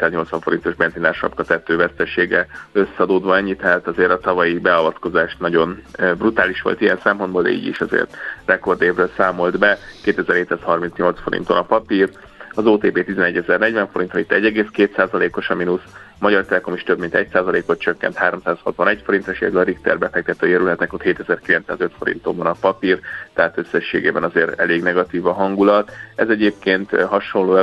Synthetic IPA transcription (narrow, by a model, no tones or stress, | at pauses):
t̪azɲo̞lt̪sʋɒɱfo̞ɾint̪o̞ʒbɛnzinaːrʃɒ̰pkɒt̪ɛt̪ːøːvɛst̪ɛʃeːɡɛø̞sːɛɒd̪oːd̪ʋɒɛɲːit̪ɛɦaːt̪ɒzeːɾɒt̪ɒvɒjibɛɒvɒt̪ko̞zaːʃt̪nɒɟo̞nbrut̪aːliʃʋo̰lt̪ijɛnsɛmpo̞nd̪boːld̪ɛ̰ḭːɟḭʃɒzḛːrt̪rɛko̞rd̪eːvrøːlsaːmo̞ld̪bɛkeːt̪ɛzɛɾheːt̪saːshɒrminsɲo̞lt̪sfo̞ɾḭnt̪o̞nɒpɒpir | ɒzoːt̪eːpeːt̪izɛnɛɟːɛzɛrnɛɟvɛɱfo̞ɾint̪onit̪ːɛɟːɛɡeːskeːt̪saːzɒleːko̞ʃɒminusmɒɟɒrt̪ɛlɛko̞miʃt̪øbmint̪ɛcsaːzɒleːko̞t̪̚t͡ʃøkːɛ̰nt̪haːɾo̞msaːshɒt̪ʋɒnɛcfo̞ɾint̪ɾɛʃḛːd̪ylɒɾikt̪ɛrbɛfɛk̚t̪ɛt̪øːjøɾylɦɛt̪nɛkot̪heːt̪ɛzɛrkilɛnt̪sa̰ːzøt̪fo̞ɾḭnt̪o̞ɱvɒnɒpɒpirt̪ɛɦaːt̪ø̞sːɛʃːḛːɡḛːbɛnɒzeːɾɛleːɡnɛɡɒt̪iːvɒɦɒŋɡulɒt̪ɛzɛɟeːp̚keːnt̪ɦɒʃonloːɛ